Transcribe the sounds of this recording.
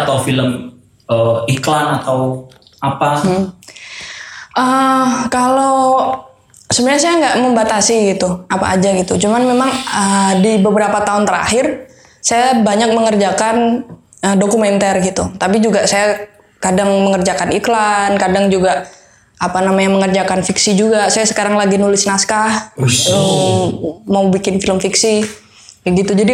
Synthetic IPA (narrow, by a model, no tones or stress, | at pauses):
at̪awfiləm | əiklanat̪aw | apa | ʔəkalo | səbənaɲas̬ajaŋɡaʔməmbat̪asiɡit̪uʔapa̰ːd͡ʒaɡit̪ut͡ʃumanmemaŋədibəbəɾapat̪aʊnt̪əɾa̰hɪr | sajabaɲak̚məŋərd͡ʒakan | ədokumɛnt̪ɛrɡit̪ut̪apid͡ʒuɡasaja | kadaŋməŋərd͡ʒakaniklankadaŋd͡ʒuɡaʔ | apanamaɲaŋməŋərd͡ʒakanfiksid͡ʒuɡasajasə̥kaɾaŋlaɡinulɪsnaskahə | maubikɪnfiləmfiksi | əɡit̪ud͡ʒadi